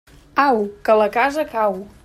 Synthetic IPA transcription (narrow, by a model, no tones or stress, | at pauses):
awkələkazəkaw